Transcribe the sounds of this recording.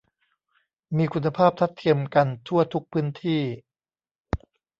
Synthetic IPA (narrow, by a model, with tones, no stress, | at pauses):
miː˧kʰu˧nːa˧pʰaː˥˩p̚t̪ʰa˦˥t̪ʰːi˧əmka˧nt̪ʰu˥˩ɐt̪ʰu˦˥k̚pʰɯː˦˥nt̪ʰiː˥˩